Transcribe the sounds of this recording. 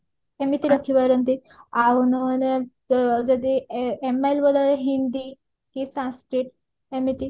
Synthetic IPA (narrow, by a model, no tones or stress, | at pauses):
emit̪iɾəkʰibaɾənt̪i | awnon | d͡zəd̪iemajlbəd̪aɾeɦind̪i | kisãskɾiʈ | emit̪i